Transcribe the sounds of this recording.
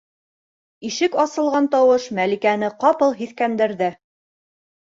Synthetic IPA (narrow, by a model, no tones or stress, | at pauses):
iʃɘkɑsɤ̆lˠʁɑnt̪ɑwɤʃmælikænɘqɑpɤlˠɦiθkænd̪ɘ̆ɾðɘ